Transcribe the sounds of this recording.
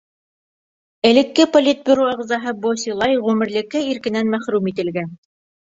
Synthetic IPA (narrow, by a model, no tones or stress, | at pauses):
ɘ̆lɘ̆kːɘpolʲit̪̚bʲĭɾuɑʁzɑɦɤbosʲilˠɑjʁʉmɘ̆ɾlɘ̆kːɘiɾkɘ̆nænmæχɾʉmit̪ɘ̆lɡæn